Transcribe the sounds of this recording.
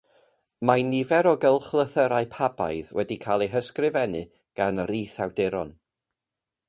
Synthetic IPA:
majnɪvɛɾɔɡəlˠχlˠəθəɾaɨpʰaba̰jðwɛdikʰalˠejɦəskrɪvɛnɨ | ɡ̥anriːθawdɪɾɔ̰n

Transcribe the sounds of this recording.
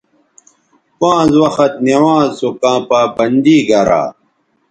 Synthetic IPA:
pãːzwɐxɐt̪̚newãːzsukãːpaːbɐnd̪iːɡɐɾa̰ː

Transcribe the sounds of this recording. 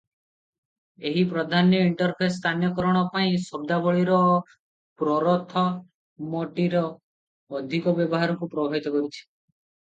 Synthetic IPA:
eɦipɾɔd̪ʱanjɔiɳʈɔɾpʰest̪ʰanjɔkɔɾɔɽ̃ɔpaĩsɔb̚d̪abɔɭiɾɔ | pɾɔɾɔt̪ʰɔ | mɔʈiɾɔː | d̪ʱikɔbjɔbɔɦaɾɔŋkupɾɔbʱabit̪ɔkɔɾit͡ʃʰi̥

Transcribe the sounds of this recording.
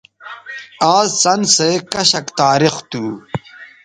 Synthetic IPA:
aːzsɐnseːkɐɕɐkt̪aːɾixt̪uː

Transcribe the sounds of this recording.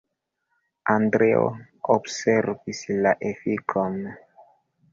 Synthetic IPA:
andɾeo̰ | obseɾvislaʔefikʰon

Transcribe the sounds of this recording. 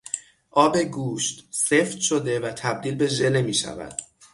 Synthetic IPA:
ʔɒːbe̞ɡuːʃt̪seft̪ʃod̪e̞væt̪ʰæb̚d̪iːlbe̞ʒe̞lemiːʃæ̰væ̰d̪̥

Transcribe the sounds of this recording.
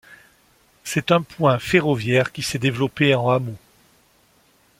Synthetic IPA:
sɛt̪ɛ̃pwɛ̃feʁɔvjɛʁkʲisɛd̪evlɔpeɑ̃amo

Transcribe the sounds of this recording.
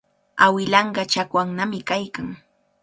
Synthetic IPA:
awɪlɑɴɢɑt͡ʃakwaŋnamɪkajkaŋ

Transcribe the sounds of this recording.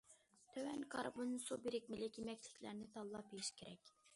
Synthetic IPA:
t̪ʰøwɛnkʰɑ̰ɾbonsobiɾɪk̚ʲmɪlɪkʲʰimɛk̚ʲlʰɪ̥kʲʰlæ̰ɾnɪt̪ʰɑlˠːɑpijiʃkʲʰeɾɛ̰kʲ

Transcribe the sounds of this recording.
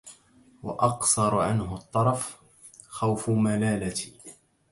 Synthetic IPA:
wɑ̰ʔɑqsɑɾˤʕanɦʊt̪ˤːɑɾˤɑf | xawfʊmalaːlat̪ː

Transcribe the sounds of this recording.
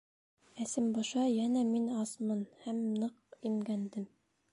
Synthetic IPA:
æsɘmbɑʃɑjænæminɑsmɤnhæmnɤq̚imɡænd̪ɘm

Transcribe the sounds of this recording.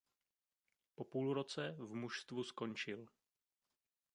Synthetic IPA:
po̞puːlɾo̞t͡sɛvmuʃst̪vusko̞nt͡ʃɪl

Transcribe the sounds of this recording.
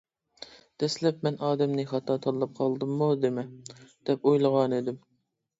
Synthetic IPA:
d̪̥ɛslɛpmɛnʔɑːd̪ɛmnɨχɑt̪ʰɑt̪ʰɑɾlˠɑp̚qʰɑlˠd̪ɨmːud̪emɛd̪̥ɛpojlˠəʁɑned̪ɪm

